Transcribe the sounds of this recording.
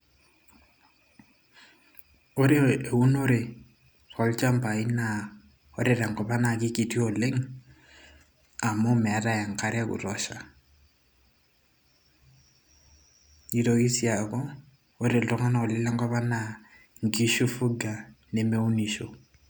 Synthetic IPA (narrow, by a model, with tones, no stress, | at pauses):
o˦ɾe˦e˨u˦no˦ɾe˨ | kɔ˦lt͡ʃa˦mpa˨i˦na˨ | ɔ˦ɾeɾa˨ŋkɔ˨pa˦na˨ki˦ki˨ti˦ɔ˨le˦ŋ | a˨mɔ˦mɛ˨a˦ta˦ja˨ŋka˦ɾa˦kṵ˨ɾɔʃa˨ | i˨ɾoki˦sja˨kɔ˦ | o˦ɾe˨ltɔ˦ŋa˦na˨ɔ˨lɪ˦la˦ŋkɔ˦pa˦na˨ | ŋɡi˦ʃu˦fu˦ɡa˨ne˨me˦u˦ni˨ʃo